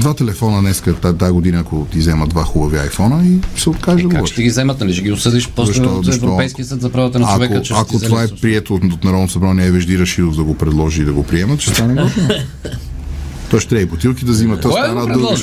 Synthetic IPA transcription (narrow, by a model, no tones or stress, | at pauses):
d̪vat̪ɛlɛfɔnənnɛskət̪at̪aɡod̪inəːkot̪izɛməd̪vaxubɐvia̰jfɔnəisɛot̪kaʒd̪ɐɡoɔɛɡizɛmɐt̪̚nɐliʃɛɡiʊsəd̪iʃpɾɔszɐʃɔɛvɾoɔpɛjskijəsət̪zɐpɾavot̪ənɐt͡ʃːavɛkət͡ʃak̪k̪ot̪vaɛpɾiɛt̪oot̪nɐɾɔd̪nosɐbɾanɛɛvɛʒd̪iɾɐʃid̪ovd̪ɐɡopɾɛd̪lˠɔʒiiːd̪ɐɡopɾiɛmɐt̪t͡ʃɛst̪anɛɡɔt̪o | t̪ɔɛst̪ɾɛibot̪ilˠkid̪ɐzimɐt̪ːɔsɐnad̪ˠ